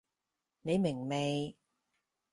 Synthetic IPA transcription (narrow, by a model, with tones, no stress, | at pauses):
ne˨˧jmɪ˨˩ŋme˨˩j